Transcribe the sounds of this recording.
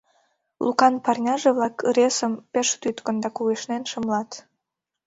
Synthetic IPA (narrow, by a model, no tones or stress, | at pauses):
lṵkɑnpɑrnʲɑʒeβlɑkrʲesəmpeʃt̪yt̪kə̆nd̪ɑkuɣeʃnenʃə̆mlɑt̪